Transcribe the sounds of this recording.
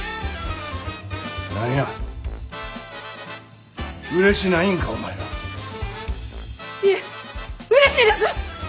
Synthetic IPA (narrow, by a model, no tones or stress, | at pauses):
nãa | ɯɾe̞ɕinaĩŋkaoma̰eɾa̰ | i | ɯɾeɕiːd̪esɨ